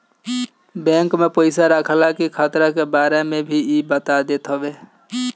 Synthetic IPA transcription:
bɛ̃ŋkmepəɪsaɾəkʰəlakikʰaːt̪ɾakebaɾemebʱiibət̪ad̪et̪ɦəbe

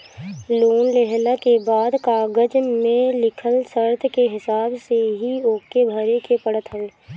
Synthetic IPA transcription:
loːnleɦlakebaːd̪kaːɡəd͡ʒmẽlɪkʰəlsəɾt̪ʰkeɦɪsaːbseɦioːkebʱəɾekepəɽət̪ʰɦəl

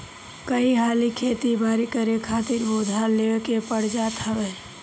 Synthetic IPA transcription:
kəiɦalikʰet̪ibʱaɾikəɾekʰaːt̪iɾbod̪ʱaleekepəɽ̤d͡ʒat̪ɦəbɛ

